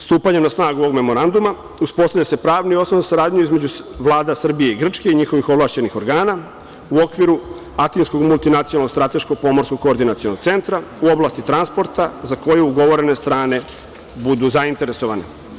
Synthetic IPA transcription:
st̪uːpaɲemnasnaːɡuo̞ɡme̞mo̞ɾand̪uma | uspo̞st̪avʎase̞pɾaːʋniio̞snonzasaɾaːd̪ɲuizme̞d͡ʑuʋlˠaːd̪asr̩bije̞iɡr̩t͡ʂke̞iɲixo̞ʋixo̞vlˠaʃt͡ɕe̞nixo̞ɾɡaːna | uokʋiɾu | at̪insko̞ɡmulˠt̪inat̪ionalnost̪ɾat̪e̞ʃkoɡ̚po̞mo̞ɾskokːoːɾd̪inat̪siono̞ɡ̚t̪se̞nt̪ɾauo̞blˠaːst̪it̪ɾanspo̞ɾt̪azako̞jeuɡo̞ʋo̞ɾe̞ne̞st̪ɾaːne̞ | bud̪uzaint̪e̞ɾeso̞ʋane

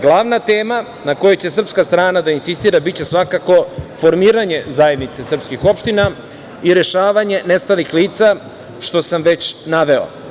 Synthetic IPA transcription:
ɡlˠaʋnat̪eːma | nako̞jet͡ɕe̞sr̩pskast̪ɾaːnad̪ainsist̪iːɾabit͡ɕe̞sʋakako̞fo̞ɾmiːɾaɲe̞zaje̞d̪nit̪se̞sr̩pskixo̞pʃt̪ina | iɾeʃaːʋaɲe̞nest̪alixliːt̪sa | ʃt̪o̞samʋe̞t͡ɕnaʋe̞o̰

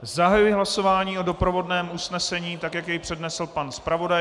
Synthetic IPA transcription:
zaɦajujɪɦlaso̞vaːɲiːʔo̞do̞pɾo̞vo̞dnɛːmusnɛsɛɲiːt̪akjakjɛjpr̝̥ɛdnɛsl̩panspɾavo̞da

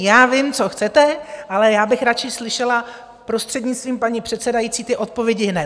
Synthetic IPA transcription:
jaːvɪmt͡so̞xt͡sɛt̪ɛʔalɛjaːbɪxɾat͡ʃɪslɪʃɛla | pɾo̞st̪r̥ɛdɲɪt͡sst̪viːmpaɲipr̝̥ɛt̪t͡sɛdajit͡siːt̪ɪʔo̞t̪̚povjɛɟɪɦnɛ

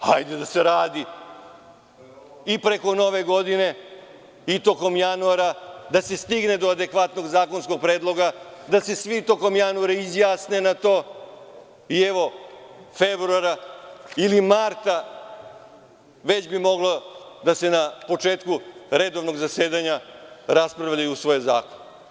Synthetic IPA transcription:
ajd̪ed̪aseɾaːd̪i | ipɾe̞ko̞no̞ʋe̞ɡo̞d̪ine̞ | it̪o̞ko̞mjanuaɾad̪ase̞st̪iɡne̞d̪o̞ad̪e̞kʋat̪no̞ɡzaːko̞nsko̞ɡ̚pɾeːd̪lˠo̞ɡad̪ase̞sʋit̪o̞ko̞mjanuaɾeizjaːsne̞nat̪o̞ː | ieʋo̞febɾuaɾailimaɾt̪a | ʋe̞t͡ɕbimo̞ɡlˠod̪ase̞napo̞t͡ʃeːt̪kuɾe̞d̪o̞ʋno̞ɡzaseːd̪aɲaɾaspɾaʋʎajuusʋo̞jeza̰ːkon

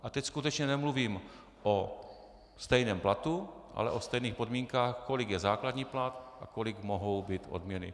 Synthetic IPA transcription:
ʔat̪ɛcskut̪ɛt͡ʃɲɛnɛmluviːm | ʔo | st̪ɛjnɛːmplat̪uʔa̰lɛ̰ʔost̪ɛjniːxpodmiːŋkaːxkolɪɡjɛzaːkladɲiːplat̪ʔa̰kolɪɡmoɦowbiːt̪ʔo̰d̪mɲɛnɪ̰

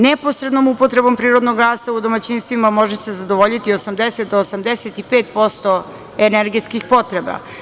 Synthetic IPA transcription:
nepo̞sɾed̪nomupo̞t̪ɾe̞bo̞mpɾiːɾo̞d̪noɡɡaːsaud̪o̞mat͡ɕinst̪ʋimamo̞ʒese̞zad̪oʋoʎit̪iosamd̪eset̪̚d̪oosamd̪eset̪ipeːt̪po̞st̪o̞ | eneɾɡet̪skixpo̞t̪ɾeba̰

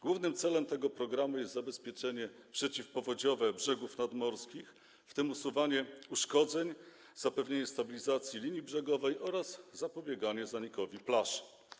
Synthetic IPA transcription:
ɡwuvnɘmt̪sɛlɛmt̪ɛɡɔpɾɔɡɾamujɛst̪zabɛspʲjɛt͡ʂɛɲɛpʂɛt͡ɕifpɔvɔd͡ʑɔvɛbʐɛɡufnad̪mɔɾskʲix | ft̪ɘmusuvaɲɛuʂkɔd̪zɛɲ | z̥apɛvɲeɲɛst̪abʲilʲizat̪sʲjilʲiɲibʐɛɡɔvɛjʔɔɾazzapɔbʲjɛɡaɲɛzaɲikɔvʲiplaʂ

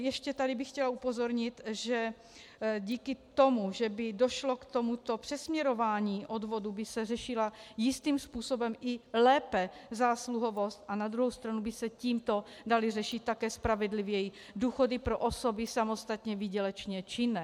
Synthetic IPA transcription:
jɛʃcɛt̪adɪbɪxcɛlaupozo̞ɾɲɪt̪ʒɛ | ɟiːkɪt̪o̞muʒɛbɪdo̞ʃlo̞kt̪o̞mut̪o̞pr̥ɛsmɲɛɾo̞vaːɲiːʔodvo̞dubɪsɛrɛʃɪlajɪst̪iːmspuːso̞bɛmʔɪlɛːpɛzaːsluɦo̞vost̪ʔanad̪ɾuɦowst̪ɾanubɪsɛciːmt̪o̞dalɪr̝ɛʃɪt̪̚ːakɛːspɾavɛdlɪvjɛji | duːxo̞dɪpɾoʔoso̞bɪsamo̞st̪at̪ɲɛvɪɟɛlɛt͡ʃɲɛt͡ʃɪnɛ

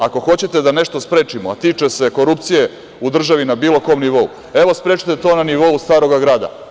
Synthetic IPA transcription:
ako̞xo̞t͡ɕet̪e̞d̪ane̞ʃt̪ospɾeːt͡ʂimoa̰t̪iːt͡ʂe̞se̞ko̞ɾupt̪sije̞ | ud̪r̩ʒaʋinabiːlˠo̞ko̞ːmniʋo̞ṵ | e̞ʋospɾeːt͡ʃi̥t̪e̞t̪oːnaniʋo̞ust̪aːɾo̞ɡaɡɾaːd̪a̰

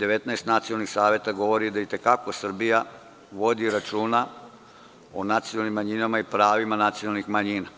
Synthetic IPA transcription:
d̪e̞ʋet̪naest̪nat̪sijolnixsaːʋjet̪aɡo̞ʋo̞ɾid̪ait̪e̞kako̞sr̩bija | ʋo̞d̪iɾat͡ʃuːna | onat̪sijolnimːaɲinamaipɾaːʋimanat̪sijonalnixmaɲina

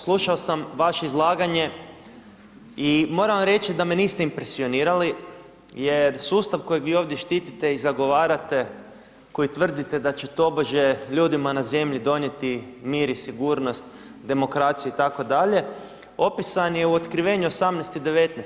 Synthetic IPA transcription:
slˠuʃaosamʋaʃe̞izlˠaːɡaɲe̞ | imo̞ɾaʋamɾe̞t͡ʃid̪ame̞niːst̪eimpɾesio̞niːɾali | je̞ɾsuːst̪aʋko̞jiɡʋiːo̞ʋd̪je̞ʃt̪iːt̪it̪e̞izaɡo̞ʋaːɾat̪e̞ | ko̞jit̪ʋr̩d̪it̪e̞d̪at͡ɕet̪o̞boʒe̞ʎuːd̪imanaze̞mʎid̪o̞nje̞t̪imiːɾisiɡuːɾno̞st̪ | d̪e̞mo̞kɾat̪sijuit̪ako̞d̪aʎe̞ | o̞pisanje̞uot̪kɾiʋe̞ɲuosamnest̪id̪e̞ʋe̞t̪nes

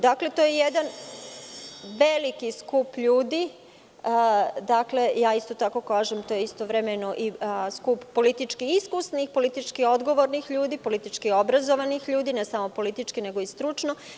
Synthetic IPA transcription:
d̪akle̞t̪ojejed̪an | ʋe̞likiskupʎuːd̪i | d̪akle̞jaːist̪ot̪ako̞kaːʒemt̪oːjeist̪oʋɾemenoʔiskupːo̞lit̪it͡ʃkiiskusnixpo̞lit̪it͡ʃkio̞d̪ɡo̞ʋo̞ɾnixʎuːd̪ipo̞lit̪it͡ʃkio̞bɾazoʋanixʎuːd̪ine̞samo̞po̞lit̪it͡ʃkine̞ɡo̞ist̪ɾut͡ʃno

